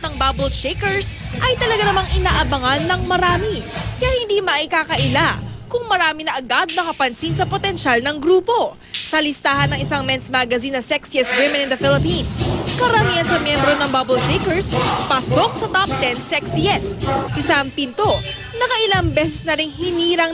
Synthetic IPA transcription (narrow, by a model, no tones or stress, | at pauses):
t̪nɐŋbabʊlt͡ʃejkɛɹsʔɐjt̪ɐlɐɡanɐmaŋʔɪnaːʔɐbɐŋanːɐŋmɐɾaːmikɐjahɪnd̪imɐʔɪkaːkɐʔɪlakʊŋmɐɾaːminɐʔɐɡad̪̚nɐkɐpɐnsinsɐpot̪ɛnʃalnɐŋɡɾuːpo̞ | sɐlɪst̪aːhɐnːɐŋɪsaŋmɛnsmaɡɐzinːɐsɛksiɛsɡwɪmɛnɪnd̪ɐfɪlɪpinskɐɾɐmiɐnsɐmjɛmbɾo̞nɐŋbabɛlt͡ʃejkɛɹspɐsok̚sɐt̪ap̚t̪ɛnsɛksiɛsɪsampint̪o̞ | nɐkɐʔɪlaŋbɛs̬ɛsnɐɾɪŋhɪniːɾɐŋ